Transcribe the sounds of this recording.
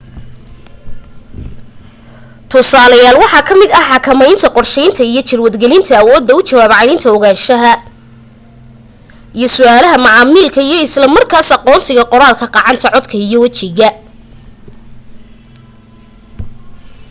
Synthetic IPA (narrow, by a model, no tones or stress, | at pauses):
t̪ʰʊsaːlɐjaːlwɑħɑkʰɐmɪd̪ɐħɑkʰɐmɛjnt̪ʰɐqɔrʃɛjnt̪ʰɐijɞt͡ʃɪlwɐd̪ɡɛlɪnt̪ʰɐːwɔːd̪ːɐʊt͡ʃɐwaːbʕɑnɪnt̪ʰɐɔɣaːʃɐɦɐ | ijɔsʊaːlɐɦɐmɑʕɑmiːlkʰɐijɔɪslɐmɐrkʰaːsɑqɔːnsɪɣɐqɔɾaːlkʰɐqɑːʕɑnt̪ʰɐʕɔd̪kʰɐijɔwɐt͡ʃɪɣɐ